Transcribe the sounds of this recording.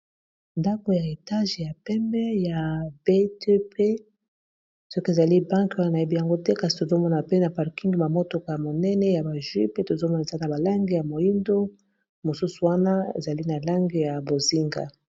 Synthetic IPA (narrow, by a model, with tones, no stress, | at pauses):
nda˦ko˨ja˨e˨ta˦ʒja˨pɛ˦mbɛ˦ja˨be˦te˦pe˦ | sɔ˦ke˨za˨li˦bã˦ŋkwa˦na˨na˨je˦bi˦ja˨ŋɡo˦tɛ˦ka˨si̥˨to˨zo˦mɔ˦na˨pe˦na˨pa˨ʁki˦ŋɡma˨mo˦to˨ka˨ja˨mo˨nɛ˦nɛ˦ja˨ba˨ʒwi˦pe˦to˨zo˦mɔ˦na˨e˨za˦na˨ba˨la˦ŋɡi˨ja˨mo˨ji˦ndo˦ | mo˨su˦su˨wa˦na˦ḛ˨za˨li˦na˨la˦ŋɡi˨ja˨bo˨zi˦ŋɡa̰˨